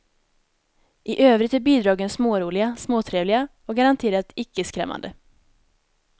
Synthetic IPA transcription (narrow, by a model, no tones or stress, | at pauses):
ʔɪʔøːvɾɪt̪æːɾbiːd̪ɾɑːɡənsmoːɾuːlɪasmoːt̪ʰɾeːvlɪa | oːɡaɾant̪ʰeːɾat̪ɪkːəəskɾɛ̰mːa̰nd̪ə̰